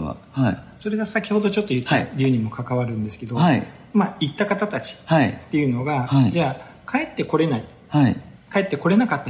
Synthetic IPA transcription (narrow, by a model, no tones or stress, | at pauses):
a̰haiso̞ɾe̞ɡasakʲiho̞d̪o̞t͡ɕo̞t̪ːo̞jɯ̟t̪ːaɾʲiɯ̟ɲ̟imo̞kʰakaβaɾɯ̟̃nd̪e̞sɨ̥ke̞d̪o̞i | maːit̪ːakat̪at̪at͡ɕi̥thait̪ːe̞jɯ̟no̞ɡahaid͡ʑaː | kʰae̞t̪ːe̞ko̞ɾe̞nai | hai | kae̞t̪ːe̞ko̞ɾe̞nakat̪ːa